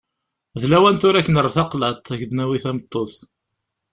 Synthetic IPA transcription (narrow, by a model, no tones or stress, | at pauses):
ðlæwænt̪ʊɾæçːənərˤːθɑqlæt̪ˤæʝd̪næwiθæmət̪ˤːoθ